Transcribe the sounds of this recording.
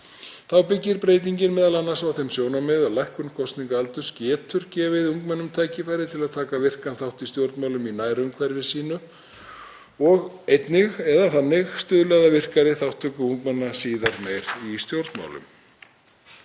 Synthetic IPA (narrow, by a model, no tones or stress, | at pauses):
θawpɪcːɪɾpɾeːjt̪̬iɲcɪnmɛːðalanːasawθemsjoːwnamɛðalajhkʏnkʰɔst̪niŋkaalt̪ʏscɛːt̪ʰʏɾ̥cɛːvɪðuŋkmɛnːʏmt̪ʰaːjcɪfaːjɾɪt̪ʰɪlaðt̪ʰaːkavɪr̥kanθawht̪ist̪jowɾt̪mawlʏminaːjɾʏmkʰvɛɾvɪsiːnʏ | ɔɣejt̪nɪɣɛðaθanːɪɣst̪ʏːðlɛɣðavɪr̥kaɾɪθawht̪ʰːœkʏuŋkmɛnːasiːðaɾmeːjɾist̪jowɾt̪nma̰wlʏ̰m